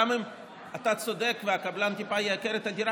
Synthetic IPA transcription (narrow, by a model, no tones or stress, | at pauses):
amem | at̪at͡sod̪ekveakablant̪ipajekeɾet̪ad̪iɾa